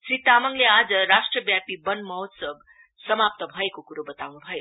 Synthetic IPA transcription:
sɾit̪amʌŋlead͡zʌɾasʈrʌbjapibʌnmʌɦot̪sʌb | sʌmap̚t̪ʌbʱʌekokuɾobʌt̪awnubʱʌjo

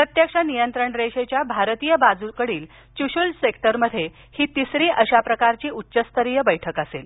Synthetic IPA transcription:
pɾət̪jəkʂanijənt̪ɾəɳɾeɕet͡ɕjabʱaɾt̪iːjəbad͡zukəɽiːl | t͡ɕuɕulsekʈəɾməd̪ʱːje | hiːt̪isɾiːʔəɕapɾəkaɾt͡ɕiːutːɕəst̪ʰəɾijəbəjʈʰəkəsel

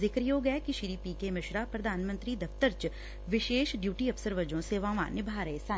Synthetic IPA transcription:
zɪkɾjoːɡɛːkɪʃiɾiːpiːkeːmɪʃɾaːpɾəd̪ʱaːnmənt̪ɾiːd̪əpt̪əɾt͡ʃ | ʋɪʃeːʃɖjuːʈiːəpsəɾʋəd͡ʒõːseːʋãːʋã̰ːnɪbʱaːɾəeːsaː

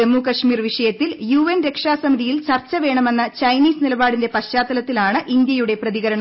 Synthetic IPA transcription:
emːukɐʂmiːrʋiʂɐjɐt̪ːiljuːenɾe̞kʂaːsɐmid̪ʱijilt͡ɕɐrt͡ɕːɐʋe̞ːɳɐme̞nːɐt͡ɕɐjniːsnilɐbaːɽinde̞pɐɕːaːt̪ːɐlɐt̪ːilaːɳɨʔind̪jɐjuɽe̞prɐðiɣɐɾɐɳɐ

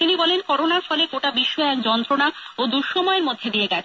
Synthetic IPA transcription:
t̪inibɔlenkɔɾonaɾfɔleɡoʈabiʃːɔeɛkd͡ʑɔnt̪ɾonaod̪uɾʃɔmɔeɾmod̪ʱːed̪ieɡɛt͡ɕʰ

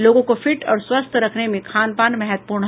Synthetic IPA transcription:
loːɡõkofɪʈɔ̰ːɾswɐst̪ʰɾɐkʰnemẽkʰaːnpaːnmɛɦət̪̚puːɾɳɦ

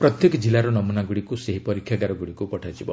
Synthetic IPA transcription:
pɾɔt̪jekɔd͡ʒilaɾɔnɔmunaɡuɽikuseɦipɔɾikʰjaɡaɾɔɡuɽikupɔʈʰad͡ʒibɔ

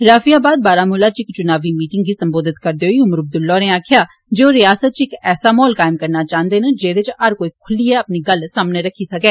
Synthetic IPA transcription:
ɾaːfijaːbaːd̪̚baːɾaːmʊlaːt͡ʃɪkt͡ʃʊnaːʋiːmiːʈɪŋɡiːsəmboːd̪ɪt̪kəɾd̪eːɦoiːʊməɾəb̚d̪ʊlːɔːneːaːkʰjaː | d͡ʒoːɾɪjaːsət̪̚t͡ʃɪkɛːsaːmɔːlkaːɪmkəɾnaːt͡ʃãːə̃nd̪eːned͡ʒeːd̪et͡ʃəɾkoːiːkʰʊliːɛːəpniːɡəlsaːmneːɾəkʰːiːsəkɛː

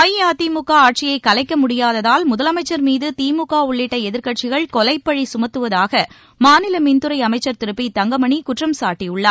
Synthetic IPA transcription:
ɐjjaːt̪iːmʊkːaːaːʈ̚t͡ʃɪjɐɪkːɐlɐɪkːɐmʊɽɪjaːðɐðaːlmʊðɐlɐmɐɪt͡ʃːɐɾmiːðɯt̪iːmʊkːaːʊɭːɪʈːɐɛðɪɾkɐʈ̚t͡ʃɪɣɐɭkɔlɐɪpːɐɻisʊmɐt̪ːɯʋɐðaːɣɐ | maːnɪlɐmɪnd̪ɯɾɐɪɐmɐɪt͡ʃːɐɾt̪ɪɾɯpːit̪ɐŋɡɐmɐɳikʊʈrɐmsaːʈːijʊɭːɐ

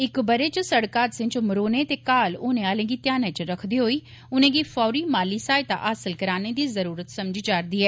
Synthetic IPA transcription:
ɪkbəɾeːt͡ʃəsəɽkaːt̪sɪ̃ɲt͡ʃməɾoːneːt̪eːkaːlʊːnẽːaːlẽːɡiːt̪jaːneːt͡ʃɾəkʰd̪iːɦoːiː | ʊnẽːɡiːfʰɔːɾiːmaːliːsaːet̪a̰ːʔaːsəlkəɾaːneːd̪iːzəɾuːɾət̪səmd͡ʒd͡ʒaːɾd̪iːɛː

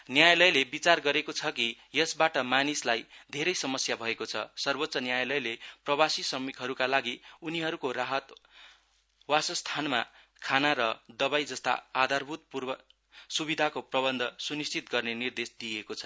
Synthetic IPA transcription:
njajlʌjlebit͡sarɡʌɾekot͡sʰʌki | jʌsbaʈʌmanislajd̪ʱeɾʌjsʌmʌsjabʱʌekot͡sʰʌ̰sʌrbot̪sʌnjajlʌjleprʌbasisʌmikɦʌɾukalaɡiuniɦʌɾukoɾaɦʌt̪ | wasʌst̪ʰanma̰ | kʰanaɾʌd̪ʌbajd͡zʌst̪a̰ad̪ʱarbʱut̪̚purbʌ | subid̪ʱakoprʌbʌnd̪ʱʌsunist͡sit̪ɡʌrnenird̪esd̪ijekot͡sʰʌ̥

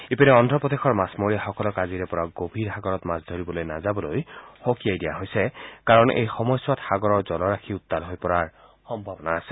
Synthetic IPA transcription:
ipinɛɔndʱɹɔpɔd̪exʰɔɹmasmoɹijaxɔkɔlɔkaziɹɛpɔɹaɡobʱiɹxaɡɔɹɔtmasdʱoɹibɔlojnazabɔlojxokijajdijaɦojsɛkaɹɔnḛjxɔmɔjswatxaɡɔɹɔɹzɔlɔɹaxʰiʊt̪ːalɦojpɔɹaɹ | xɔmbʱɔbɔnaːsɛ̥

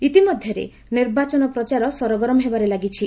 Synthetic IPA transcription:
it̪imɔd̪ʱjɔɾḛ | niɾbat͡ʃɔnɔpɾɔt͡ʃaɾɔsɔɾɔɡɾɔmɔɦebaɾelaɡit͡ʃʰi

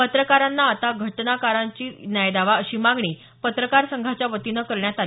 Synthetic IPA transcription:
pət̪ɾəkaɾanːaːt̪aɡʱəʈnakaɾaɲt͡ɕiːnjajd̪aʋaəɕiːmãŋɡɳiː | pət̪ɾəkaɾsəŋɡʱat͡ɕjaʋət̪inəkəɾɳjat̪al

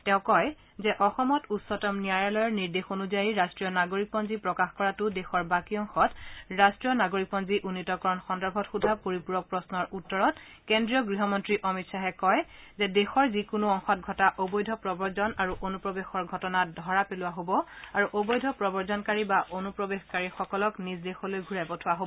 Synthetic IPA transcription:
tɛ̃ʊ̃kɔj | zɛʔɔxɔmɔtutsɔtɔmnijajalɔjɔɹniɹdexonuzajiɹastɹijɔnaɡoɹik̚pɔnzipɹɔkaxkɔɹatʊdexɔɹbakiɔŋxɔtɹastɹijɔnaɡoɹik̚pɔnziʔunːitɔkɔɹɔnxɔndɔɹbʱɔtxudʱapoɹipuɹɔk̚pɹɔsnɔɹʔutːɔɹɔt | kendɹijɔɡɹiɦɔmɔntɹiʔɔmitsaɦɛkɔj | zɛdexɔɹzikʊnʊɔŋxɔt̚ɡʱɔtaʔobɔjdʱɔpɹɔbɔɹzɔnaɹuʔonupɹɔbexɔɹɡʱɔtɔnadʱɔɹapelʊwaɦobɔaɹuʔobɔjdʱɔpɹɔbɔɹzɔnkaɹibaʔonupɹɔbexkaɹixɔkɔlɔknisdexɔlojɡʱuɹapɔtʰʊaɦobɔ

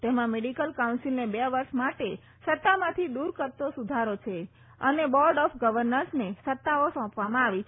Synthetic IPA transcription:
t̪emãmeɖikəlkaunsilnebeʋəɾʃmaʈe | sət̪ːamãt̪ʰid̪uɾkəɾt̪ːosud̪ʱaɾot͡ʃʰe | ənebɔɾɖɔfɡəʋəɾnəɾsnesət̪ːaosɔ̃pʋamãaʋi

